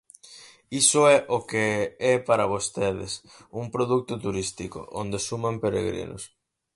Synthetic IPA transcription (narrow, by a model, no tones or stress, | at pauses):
isʊɛʔokeɛpaɾaβ̞ost̪eðɪ̰sumpɾoðuk̚t̪ʊt̪uɾist̪iko̰ʔond̪esumampeɾḛɣɾḭnʊ̰s